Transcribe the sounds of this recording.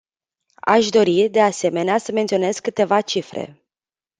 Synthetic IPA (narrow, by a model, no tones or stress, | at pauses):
a̰ʃd̪o̞ɾid̪e̞ase̞me̞neasəme̞nt̪sio̞ne̞zkːɨt̪e̞vat͡ʃifɾḛ